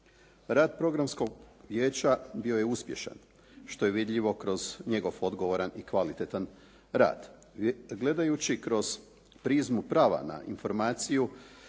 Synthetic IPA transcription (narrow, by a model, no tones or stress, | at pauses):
ɾaːd̪̚pɾo̞ɡɾamsko̞ɡʋjeːt͡ɕabio̞je̞uspje̞̰ʃa̰n | ʃt̪o̞je̞ʋid̪ʎiʋo̞kɾo̞zɲe̞ɡo̞ʋo̞d̪ɡoʋoɾanikʋalit̪et̪an | ɾa̰ːd̪ | ɡle̞d̪ajut͡ɕikɾo̞z̥ | pɾizmupɾaːʋa̰na̰info̞ɾmaːt̪siju